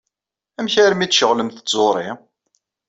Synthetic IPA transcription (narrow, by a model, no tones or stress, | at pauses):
æmçæɾmit͡sːʃəʁləmθət͡sːoɾˤi